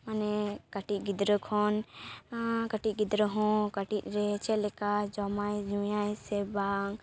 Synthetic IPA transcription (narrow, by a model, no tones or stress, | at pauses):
manɛkaʈiʔ̚ɡid̪ɾəkʰɔn | kaʈiʔ̚ˀɡid̪ɾəɦɔ̃kaʈit̪̚ɾɛt͡ʃɛlɛkad͡ʒɔmajd͡ʒũjajsɛbaŋ